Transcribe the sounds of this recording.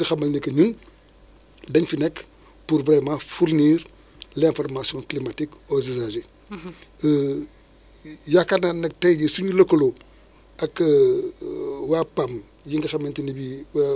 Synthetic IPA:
ɡɐxɐmɐlnikɐɲun | dɐɲfinɛk | puɾbɾɛmãfuɾniːr | lɛ̃fɔɾmasijɔ̃klimatikozizaʒe | jakːatnanɐk̚tɐjɟisuɲulokːolo | ɐk | wapam | jiŋɡɐxɐmːɐntinibiwa

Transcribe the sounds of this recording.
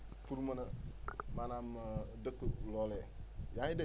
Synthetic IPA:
puɾmənəmanamədəkːəlɔlɛjaide

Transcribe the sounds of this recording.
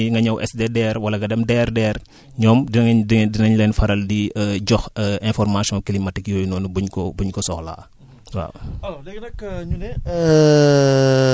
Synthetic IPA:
ŋɡɐɲɐwʔɛ̰sdedɛːɾwɐlɐɡɐdɛmdɛːrdɛːɾ | ɲɔːmdiddinɐɲlɛnfɐɾɐldiɟɔxɛ̃nfɔrmasjɔ̃kilimɐtikjɔjnɔːnubuɲkɔbuɲkɔsɔxla̰ː | wa̰lɛɡnɐkːɲunɛə

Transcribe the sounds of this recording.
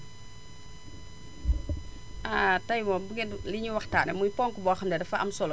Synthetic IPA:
ʔaːtɐjmɐbəɡɛliɲiwɐxtaːnɛmujpɔːŋkubɔːxɐmdɛdɛfɐʔɐmsɔl

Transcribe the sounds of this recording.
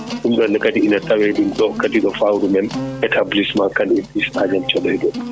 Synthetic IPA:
ɗumɗɔnːɛkadiinatawɛɗumɗɔkadiɗɔfawɾumɛnʔɛtʰablismakanɛpisad͡ʒamt͡ʃɔɗɔjɗɔ

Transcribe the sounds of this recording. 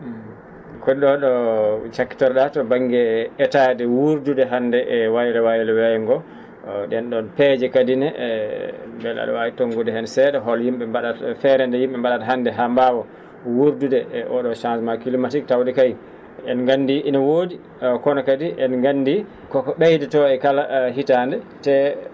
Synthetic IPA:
kɔɗɗɔɗɔt͡ʃakːi̥tɔɾɗatɔbaŋɡɛːtadɛwuɾdudɛɦandɛʔwajlɛwajɛlɛwɛjɛŋɡɔ | ɗɛnɗɔnpɛd͡ʒɛkadinɛ | mbɛla̰ɗɔ̰waitoŋɡudɛhɛnsɛɗɛɦɔljimɓɛmbaɗatfɛɾɛndɛjimɓɛmbaɗatɦandɛɦambawɔ | wuɾdudɛʔɔɗɔʃãnsmakilimatiktawdɛkaj | ɛnŋɡandiʔinawodi | kɔnɔkadiʔɛnŋɡandi | kɔkɔɓajdɛtɔɛkalaɦitandɛ | tɛ

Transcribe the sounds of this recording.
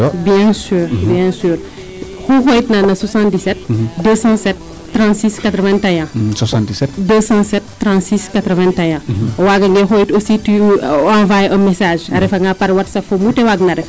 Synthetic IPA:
bjɛ̃syːɾbjɛ̃syːɾ | xuxojtnanɐswasɑ̃ndisɛt̚dəsɑ̃sɛt̚ː | ɾɑ̃ntsiskat̪ɾəvɛ̃ntajɛ̃swasɑ̃disɛtdəsɑ̃sɛtːɾɑ̃ntsiskat̪ɾəvɛ̃ntajɛ̃waɡɐŋɡɛxojtosityãvajəmɛsaːʒaɾɛfaŋɡapaɾwɐtsɐfomutewaɡnaɾɛf

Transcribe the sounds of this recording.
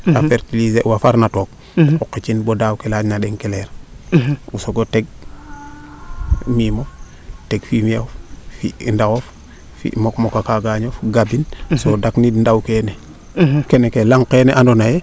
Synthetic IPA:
a̰feɾtilizeʔwafaɾnatok̚ | okːit͡ʃinbodawkelaɲnadeŋkeleɾ | usoɡoteɡ̚ | mimof | teɡfimioffindaɡof | fḭmokmokakaɡaɲofɡabinsodaknidndawkene | kenekelaŋkenḛʔandonaje

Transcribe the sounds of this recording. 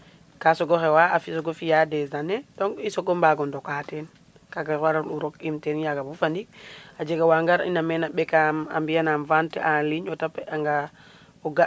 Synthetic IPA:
kasɔɡɔxewaafisɔɡofijadɛzanedɔŋisoɡɔmbaɡɔndɔkatɛn | kaɡaaɾanuɾokimtɛnjaɡabufandik̚ad͡ʒeɡawaŋɡaɾḭnamɛnaɓɛkama̰mbijanamvantɛʔaliɲɔtapaŋɡa | ɔɡa

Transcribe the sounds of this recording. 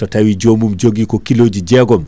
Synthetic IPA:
tɔtawid͡ʒomumd͡ʒoɡikɔkiloːd͡ʒid͡ʒɛɡɔm

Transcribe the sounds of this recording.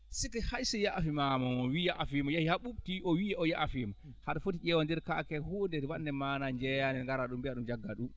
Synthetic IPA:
sikɛhajsɛjaʔfimamɔmɔwijaʔafimjahihaɓub̚tiʔɔwiɛɔjaʔfim | haɗafotid͡ʒɛwandɛɾka̰kɛhoːndɛɾwanːɛmanad͡ʒɛjanɛŋɡaɾaɗumbiaɗumd͡ʒaɡːaɗum

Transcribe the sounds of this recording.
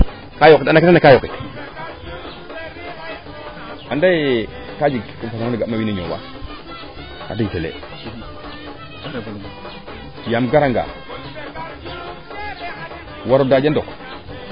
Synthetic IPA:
kajokitnakitaakajokit | andaj | kad͡ʒikimfasdiɡamawinaɲowa̰ | ka̰diɡfelḛ | jamɡaɾaŋɡa̰ | waɾudad͡ʒandok

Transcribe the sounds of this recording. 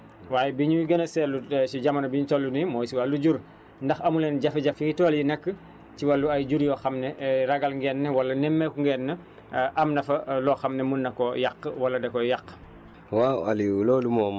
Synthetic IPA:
waːjɛbiɲuwiɡɐnɐsɛlːusiɟamɐnɐbiɲutolːunimɔːsiwalːuɟuɾ | ndɐxɐmulɛnɟɐfiɟɐfiŋɡitoːljinɐkːə | t͡ʃiwalːuɐjɟuɾjɔxɐmnɛraɡalŋɡɛnːɛwɐlːɐnɛmːɛkuŋɡɛnːɐ | ʔɐmnɐfɐlɔːxamnɛmunːɐkɔjaqːwɐlːɐdɛkɔjaqː | waaliulɔːlumɔːm

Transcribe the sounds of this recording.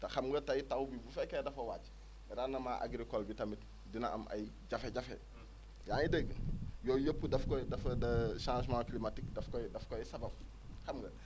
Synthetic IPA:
tɐxɐmɡɐtɐjitɐwbibufɛkːedɐfɐwaːt͡ʃ | ɾanːɐmaʔa̰ɡɾikɔlbitɐmit | dinɐ̰ʔɐ̰mʔɐ̰jɟɐfeɟɐfḛ | jaːnidɛɡjoːjəpːudɐfkɔdɐfɐdɐʃãːʒmãːklimatikdɐfkɔjdɐfkɔjsɐbɐb̚ | xɐmɡɐ

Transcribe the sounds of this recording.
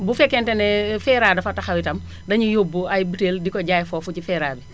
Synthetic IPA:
bufɛkːɛntɛnɛfɛːɾaːdɐfɐtɐxɐwitɐm | dɐɲujobːuɐjbuteːldikɔɟaːjfɔfucifɛːɾaːbi

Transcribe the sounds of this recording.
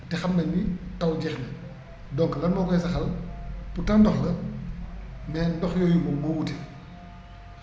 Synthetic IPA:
tɛxɐmbɐnditɐwd͡ʒɛxnɐ | dɔŋklɐnmɔkɔɛsɐxɐlputɐŋndɔxlɐ | mɛːndɔxjɔjumɔɡowtɛ

